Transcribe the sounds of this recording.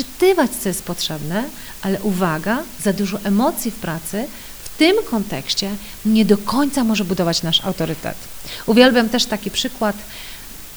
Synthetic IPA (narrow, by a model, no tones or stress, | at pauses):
ɨt̪ɘvat͡ɕt̪sɔjɛst̪̚pɔtʂɛbnɛ | ʔalɛʔuvaɡazad̪uʐɔʔɛmɔt̪sʲjifpɾat̪sɘ | ft̪ɘmkɔnt̪ɛ̰kɕt͡ɕɛ | ɲɛd̪ɔkɔɲt̪samɔʐɛbud̪ɔvat͡ɕnaʂa̰wt̪ɔɾɘt̪ɛ̰t̪uvʲjɛlbʲjamt̪ɛʂt̪akʲipʂɘkwat̪